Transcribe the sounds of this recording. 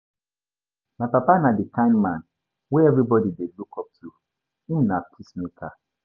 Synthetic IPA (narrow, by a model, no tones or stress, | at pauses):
maɪpapanadikãɪ̃ndmãn | weɛvɹibɔdidelukʰɔp̚tʰu | ĩnapʰismekʰa